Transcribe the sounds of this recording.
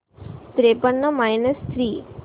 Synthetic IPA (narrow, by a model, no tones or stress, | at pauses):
t̪ɾepəɳːəmajnəst̪ʰɾiː